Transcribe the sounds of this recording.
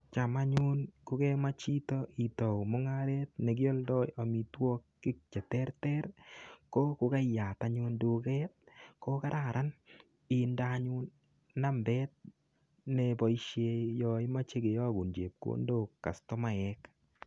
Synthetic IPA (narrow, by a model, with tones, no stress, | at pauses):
t͡ʃa˨ma˦ɲu˦nkʊ˨kɛ˦ma˦t͡ʃi˦tɔi˨tɔ˨mɔ˦ŋaɾɛt̚nɛ˨k̬ɪ˦ɔ˦ldɔ˦ja˨mi˨twɔ˦kːɪ˦k̚t͡ʃɛ˨tɛ˦rtɛɾkɔ˦kʊ˨ka˦ja˨taɲʊ˧ndokɛt̚kɔ˦ka˦ɾa˨ɾʔa˦n | i˨ndaɲʊnː | a˦mbɛ˦t̚ | nɛbɔ˨i˦ʃje˧jɔ˨ɪ˦ma˦t͡ʃe˦ɡe˨jɔ˦ɡu˨nd͡ʒe˨p̚ko̰˦ndo˦kːa̰˨stɔ˦ma˨ɛk